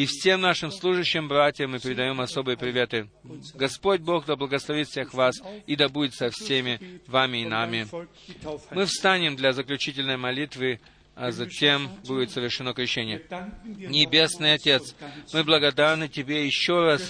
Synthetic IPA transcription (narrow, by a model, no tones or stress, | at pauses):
ifsʲe̞mnaʂɨmslˠuʐɨɕːɪmbɾatʲɪjəmːɨpʲɪɾʲɪd̪ɐjo̞mɐso̞bɨjəpɾʲɪvʲe̞t̪ɨ | ɡɐspo̞d̚ʲbo̞xd̪ɐblˠəɡəslˠɐvʲit̪fsʲexvasid̪ɐbudʲɪt̪sɐfsʲemʲɪvamʲɪːnamʲɪ | mɨfst̪anʲɪmd̪lʲɐzəklʲʉt͡ɕitʲɪlʲnəjmɐlʲit̪vɨ | ɐzɐtʲembudʲɪt̪səvʲɪrʂɨno̞kɾʲɪɕːenʲɪjənʲɪbʲe̞snɨjɐtʲe̞t̪smɨblˠəɡɐd̪arnɨtʲɪbʲejɪɕːo̞ras